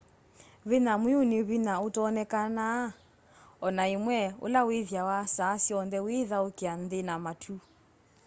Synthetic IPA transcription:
βɪnamwɪʊnɪβinaʊtɔːnɛkana | ɔnaimwɛʊ̰laweðjawasasiɔndɛweðaokian̩dɪnamatʰu

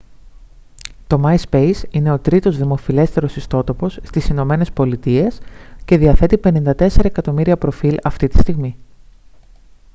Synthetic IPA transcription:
t̪o̞mɐjspe̞jsine̞o̞t̪ɾit̪o̞zðimo̞file̞st̪e̞ɾo̞sist̪o̞t̪o̞po̞sst̪isino̞me̞ne̞spo̞lit̪ie̞sce̞ðiɐθe̞t̪ipe̞nind̪ɐt̪e̞se̞ɾɐekɐt̪o̞miɾiɐpɾo̞filɐft̪it̪i̥st̪iɣmi

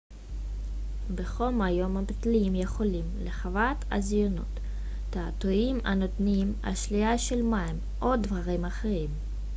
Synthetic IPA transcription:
beχomajo̞mabitliimjeχo̞limleχavat̪a̰zjono̞̰t̪ː | aːt̪oima̰not̪nima̰ʃliaʃelmajm | ʔod̪vaʁimaχeʁim

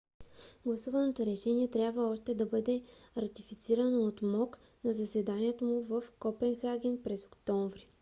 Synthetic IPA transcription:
ɡlˠɐsuvɐnot̪oɾɛʃɛniɛt̪ɾʲjabvəɔʃt̪ɛd̪ɐbɤd̪ɛɾɐt̪ifit̪siɾɐnoot̪mɔk | nɐzɐsɛd̪aniɛt̪omuvəfkɔpɛnxaɡʲɛnpɾɛzokt̪ɔɱvɾi

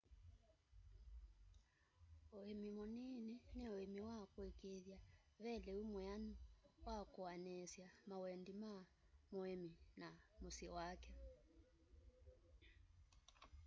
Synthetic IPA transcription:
oemimɔninɛnɛoemiwakwɛkeðja | βɛlɛwimwanuwakɔanɛsjamawɛndima | muɛminamusiwakɛ

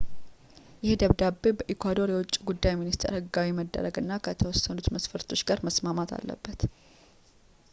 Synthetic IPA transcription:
jɪhed̪əβd̪abːebəʔikʰʷad̪o̞ɾjɛwʊt͡ʃʼːiɡud̪ːajminist̪ʰḛɾhɨɡːawiməd̪ːə̰ɾəɡɨnːakʰət̪ʰəwɔsːənut̪məsfəɾt̪ʰo̞t͡ʃːɡaɾməsmamat̪ʰa̰lːə̰bːət̪

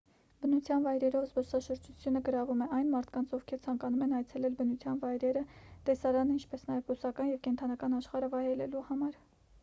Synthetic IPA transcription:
bənut͡sʰjɑnvɑjɾɛɾɔvzbɔsɑʃəɾd͡ʒʰut͡sʰjunəɡəɾɑvumɛɑjnmɑɾt̪ʰkɑnt͡sʰɔvkʰɛɾt͡sʰɑŋkɑnumɛnɑjt͡sʰɛlɛlbənut͡sʰjɑnvɑjɾɛɾət̪ɛsɑɾɑnəint͡ʃʰpɛsnɑjɛvɡusɑkɑnjɛvkɛnt̪ʰɑnɑkɑnɑʃχɑɾəvɑjɾɛlɛluhɑmɑɾ

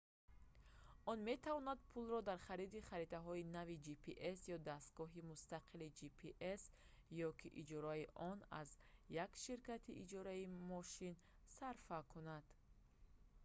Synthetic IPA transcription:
ɔnme̞t̪ʰavɔnad̪̚pʰulrɔd̪aɾχaɾid̪iχaɾit̪aɦɔinavid͡ʒipʰiʔesjɔd̪ast̪̚ɡ̥ɔɦimust̪aqʰilid͡ʒipʰiʔes | jɔkʰiʔid͡ʒɔɾaiʔɔna̰zjakʃiɾkat̪ʰiʔid͡ʒɔɾaimɔʃin | saɾfakʰunad̪̥

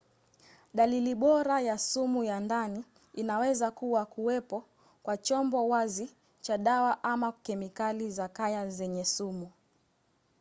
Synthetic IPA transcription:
ɗaliliɓɔɾajasumujandani | inawɛzakuwakuwɛpɔ | kwat͡ʃɔmbɔwazi | t͡ʃaɗawaʔamakɛmikalizakajazɛɲɛsumu

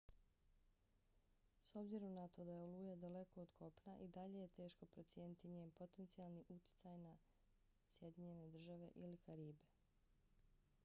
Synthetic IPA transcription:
so̞bziɾo̞mnat̪o̞d̪aje̞oluːjad̪ale̞ko̞od̪kʰo̞pnaʔid̪aʎe̞je̞t̪e̞ːʃko̞pɾo̞t̪sje̞ːnit̪iɲeːnpo̞t̪e̞nt̪sialˠniʔut̪j̥ɪ̥t̪sajna | sje̞d̪iɲe̞ne̞d̪r̩ʒaʋe̞̰ʔilikaɾiːbe̞

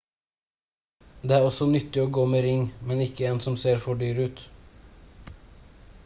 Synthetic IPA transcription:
d̪eːæːɾɔsɔnʏt̪ːɪoːɡoːmeːɾɪŋmɛnɪkːəeːnsɔmseːɾfɔɖyːɾʉːt̪

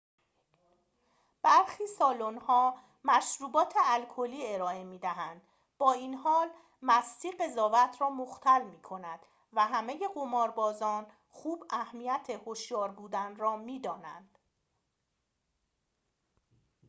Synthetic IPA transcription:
b̥æɾxiːsɒːlo̞nhɒː | mæʃɾuːbɒːt̪ʰeælkʰo̞liːe̞ɾɒːe̞miːd̪æɦænd̪̥ | b̥ɒːiːnhɒːl | mæst̪iːɢe̞zɒːvæt̪ʰrɒːmoxt̪ʰælmiːkʰo̞næd̪̥ | væɦæme̞je̞ɢomɒːɾbɒːzɒːn | xuːbæhmijæt̪ʰe̞hoʃjɒːɾbuːd̪ænrɒːmiːd̪ɒːnæ̰nd̪̥

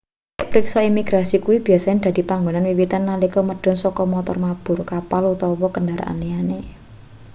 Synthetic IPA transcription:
aʔpɾiksɔimiɡ̥ɾasikuwib̥i̤jasaɲand̪̥a̤d̪̥i̤paŋɡonanwiwit̪anːalikɔməɖ̥ɔ̤nsɔkɔmɔt̪ɔ̰rmab̥ʊ̤rkapalut̪ɔwɔkəndaɾa̰ʔa̰niane

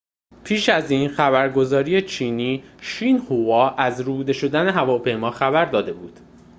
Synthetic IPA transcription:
pʰiːʃæziːnxæbæɾɡo̞zɒːɾiːjet͡ʃʰiːniː | ʃiːnhuvɒːʔæzɾud̪e̞ʃo̞d̪æne̞ɦævɒːpʰe̞jmɒːxæbæɾd̪ɒːd̪e̞buːd̪̥

